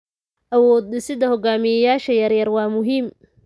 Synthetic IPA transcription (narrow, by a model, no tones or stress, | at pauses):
ʔɐwɔːd̪̚ɪsɪd̪ɐhɔɡaːmɪjɐjaːʃɐjɐrjɐrwɑːmʊɦiːm